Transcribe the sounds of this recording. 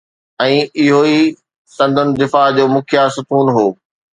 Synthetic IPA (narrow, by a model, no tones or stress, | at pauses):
ɛ̃ːɪɦoi | sɐ̃nd̪ʱʊnɪ̆d̪ɪfaːɦd͡ʑoːmʊkʰɪjaːsʊkuːnɦoː